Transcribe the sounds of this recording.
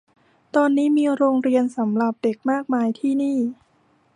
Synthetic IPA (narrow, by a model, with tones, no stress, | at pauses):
t̪ɔː˧nːiː˦˥miː˧ɾoː˧ŋɾi˧ənsa˩˦mɾa˨˩p̚de˨˩k̚maː˥˩k̚maː˧jt̪ʰiː˥˩niː˥˩